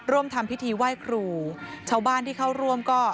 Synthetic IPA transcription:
ɾu˥˩əmt̪ʰa˧mpʰi˦˥t̪ʰiː˧waː˥˩jkʰɾuː˧t͡ɕʰaː˦˥˩wbaː˥˩nt̪ʰiː˥˩kʰa˥˩wɾu˥˩əmkɔː˥˩

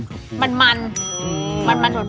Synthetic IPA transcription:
ma˧nma˧n | ma˧nma˧nboː˨˩

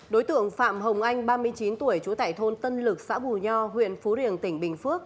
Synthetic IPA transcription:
ɗo˨˦jt̪ɨ̰˧˨əŋfa̰ː˧˨mɦə˨˩wŋ͡mʔa˧jŋ̟ɓaː˧mɨ˧əjt͡ɕi˨˦nt̪u˧˩əjt͡ɕu˨˦t̪a̰ː˧˨˩jt̪ʰo˧nt̪ə˧nlɨ˨˩k̚sa̰ː˧˥ɓu˨˩ɲɔ˧ɦwḭ˧˨ənfu˨˦ɾi˨˩ənt̪ï˧˩ŋ̟ɓï˨˩ŋ̟fɨ˦˥əkk̚

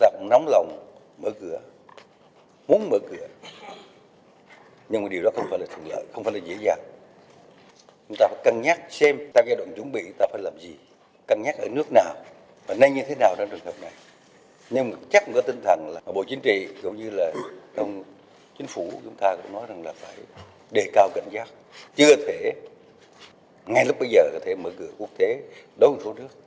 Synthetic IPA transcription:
t̪aː˧kʊ̰˧˥ŋ͡mna˨˦wŋ͡mlə˨˩wŋ͡m | məː˧˩kɨ˧˩˨ə | mu˨˦ənməː˧˩kɨ˧˩ə | ɲɨ˧ŋmaː˨˩ɗi˨˩əwɗɔ˨˦xə˧wŋ͡mfaː˧˩jlaː˨˩t̪ʰəŋlə̰ː˧˨jxə˧wŋ͡mfaː˧˩˦laː˨˩zḛ˧˥əzaː˨˩ŋ | t͡ɕʊ˦ŋ͡mt̪aː˧faː˧˩˦jka˧˩ŋɲaː˦˥k̚sɛ˧mt̪aː˧zaː˧jɗwa̰ː˧˨nt͡ɕʊ˧˩˦ŋɓḭ˧˨t̪aː˧faː˧˩jlaː˨˩mzi˨˩ | ka˧˩ŋɲaː˦˥k̚ʔəː˧˩nɨ˦˥ək̚naː˨˩w | vaː˨˩na˧jɲɨ˧t̪ʰe˨˦naː˨˩wt͡ɕa˧ŋ͡mt͡ɕɨ˨˩ŋhəː˨˩p̚na˨˩j | ɲɨ˧m˨t͡ɕa˦˥k̚kɔ˨˦t̪ï˧ŋt̪ʰə˨˩nlaː˨˩˧ɓo̰˧˨t͡ɕï˨˦ŋ̟t͡ɕḭ˧˨zʊ˨˧˩ŋ͡mɲɨ˧laː˨˩ʔə˧wŋ͡m | t͡ɕi˨˦ŋ̟fu˧˩t͡ɕʊ˨˦ŋ͡mt̪aː˧kʊ̰˧˥ŋ͡mnɔ˨˦jza˨˩ŋlaː˨˩faː˧˩j | ɗe˨˩kaː˧wkə̰˧˨jŋ̟zaː˦˥k̚ | t͡ɕɨ˧ət̪ʰe˧˩˨ | ŋa˨˩jlʊ˦˥k͡p̚ɓə˧jzəː˨˩kɔː˧˨˩t̪ʰe˧˩məː˧˦˩ɣɨ̰˧˩əku˦˥ək̚t̪e˨˦ | ɗo˨˦jmʊ̰˨˧˩ŋ͡mso˨˦nɨ˦˥ək̚

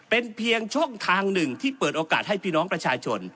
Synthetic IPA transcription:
pe˧npʰi˧əŋt͡ɕʰu˥˩əŋt̪ʰaː˧ŋnɯ˨˩ŋt̪ʰiː˥˩pɤː˨˩t̪̚ʔoː˧kaː˨˩t̪̚ha˥˩jpʰiː˥˩nɔː˦˥ŋpɾa˧t͡ɕʰaː˧t͡ɕʰo˧n

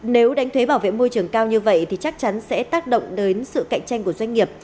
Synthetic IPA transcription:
ne˨˦wɗa˨˦jt̪ʰwe˨˦ɓaː˧˩wvḛ˧˨mo˧jt͡ɕɨ˨˩əŋkaː˧wɲɨ˧və̰˧˨jt̪ʰi˨˩t͡ɕa˦˥k̚t͡ɕa˨˦nsɛ̰˧˥t̪aː˦˥k̚ɗə̰˧˨ŋ͡mɗəː˨˦nsɨ̰˧˨ka̰˧˨jŋ̟t͡ɕa˧jŋ̟ku˧˩əzwa˧ŋ̟ŋi˨˩əp̚

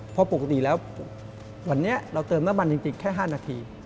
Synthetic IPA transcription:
pʰɔ˧po˨˩ka˦˥t̪i˨˩lɛː˦˥w | wa˧nːi˦˥ɐɾa˧wt̪ɤː˧mna˦˥mːa˧nt͡ɕi˧ŋt͡ɕi˧ŋkʰɛː˥˩ɦaː˥˩naː˧t̪ʰiː˧

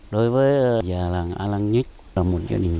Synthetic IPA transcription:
ɗo˧˦jvəː˨˦jzaː˨˩laː˨˩ŋʔa̰ː˧laː˧ŋɲi˦˥t̚ | laː˨˩mo˨˩t̚za̰ː˧ɗï˨˩ŋ̟

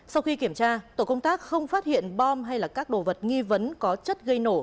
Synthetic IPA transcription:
sa˧wxi˧ki˧˩əmt͡ɕaː˧t̪o˧˩kə˧wŋ͡mt̪aː˦˥k̚xə˧wŋ͡mfaː˦˥t̚hḭ˧˨ənɓɔ˧mɦa˧jlaː˨˩kaː˦˥k̚ɗo̰˧˩və˨˩t̚ŋi˧və˨˦nkɔ˨˦t͡ɕə˦˥t̚ɣə˧jno˧˩

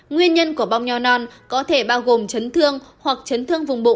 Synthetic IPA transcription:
ŋwi˧ənɲə˧nku˧˩əɓaː˧wŋ͡mɲɔ˧nɔ˧nkɔ˨˦t̪ʰe˧˩ɓaː˧wɣo˨˩mt͡ɕə˨˦nt̪ʰɨ˧əŋhwa˨˩k̚t͡ɕə˨˦nt̪ʰɨ˧əŋvʊ˨˩ŋ͡mɓṵ˧˨

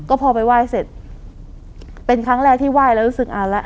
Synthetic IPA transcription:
kɔː˥˩pʰɔː˧pa˧jwaː˥˩jse˨˩t̪̚ | pe˧nkʰɾa˦˥ŋɾɛː˧˩k̚t̪ʰiː˥˩waː˥˩jlɛ˦˥ɾu˦˥sɯ˨˩k̚ʔaː˧˩wlɛ˦˥ʔ

